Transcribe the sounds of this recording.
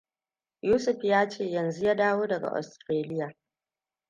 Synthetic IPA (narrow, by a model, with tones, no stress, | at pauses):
juː˦sʊ˨ɸjaː˦t͡ʃeː˦˨jɐ˨nzu˦jaː˦daː˦woː˦dɐ˨ɡa̰˨ʔɔ̰˨stɾeː˦lɪ˦jaː˨